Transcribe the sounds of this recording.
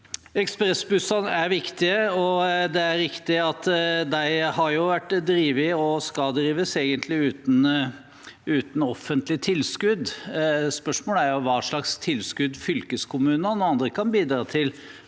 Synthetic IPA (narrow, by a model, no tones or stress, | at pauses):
ɛkspɾɛsbʉsɑnæɾʋɪkt̪ɪəɔd̪ɛæɾɾɪkt̪ɪɑt̪d̪æɪhɑɾjʊʋæʈːd̪ɾiːʋɪɔskɑld̪ɾiːʋəseːɡənt̪ʰlɪʉːt̪n̩ | ʉːt̪n̩ɔfːənt̪lɪt̪ʰɪlskʉd̪spœʂmoːləæɾjʊʋɑːʂɭɑkst̪ʰɪlskʉd̪fʏlkəskʰʊmʉːnənɔɑnd̪ɾəkʰɑnbiːd̪ɾɑːt̪ʰɪl